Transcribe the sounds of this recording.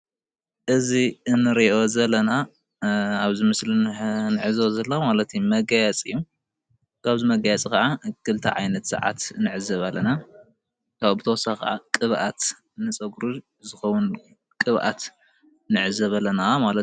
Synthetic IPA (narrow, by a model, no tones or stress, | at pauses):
ʔɨziɨnːɨɾiʔo̞zɐlːɐna | aβzimɨslinɨʕɨzɐβzɐlːomalɐt̪mɐɡajɛt͡sʼɨjːu | kʰaβzimɐɡajɛt͡sʼikɐʕakʰɨlt̪ʰa̰ʕajnɐt̪sɨ̰ʕa̰t̪nɨʕɨzɐβalːɐna | kʰaβbɨt̪ʰɐwɔsakʰa̰ʕa̰kʼɨβʔat̪ | nɨt͡sʼɐɡɾu | zɨxɐwun | kʼɨβʔa̰t̪ | nɨʕɨzɐβɐlːɐnamalɐt̪